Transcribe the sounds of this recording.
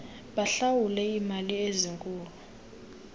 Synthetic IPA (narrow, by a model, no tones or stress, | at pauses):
ɓaɬawulɛimalieziŋkʼuːlu